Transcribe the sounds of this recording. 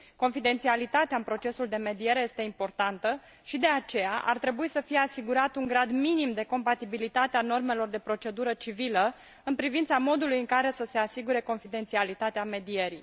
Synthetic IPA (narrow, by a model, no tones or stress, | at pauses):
ko̞nfid̪e̞nt̪sialit̪at̪eaɨnpɾo̞t͡ʃe̞suld̪e̞me̞d̪ije̞ɾe̞je̞st̪e̞impo̞rt̪ant̪ə | ʃid̪e̞at͡ʃe̞jaʔa̰rt̪ɾe̞buisəfije̞asiɡuɾat̪uŋɡɾad̪minimd̪e̞ko̞mpat̪ibilit̪at̪eano̞rme̞lo̞rd̪e̞pɾo̞t͡ʃe̞d̪uɾət͡ʃivilə | ɨnpɾivint̪samo̞d̪ulujɨŋkaɾe̞səse̞asiɡuɾe̞ko̞nfid̪e̞nt̪sialit̪at̪eame̞d̪ije̞ɾij